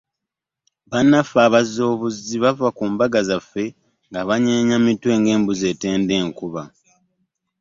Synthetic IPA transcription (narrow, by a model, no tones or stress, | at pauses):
βanːafaːβazo̞ːβuziβavakuːmbaɡazafe̞ | ŋɡaβaɲeːɲamitwe̞ːŋɡe̞ːmbuze̞ːte̞ːnde̞ːŋkuβa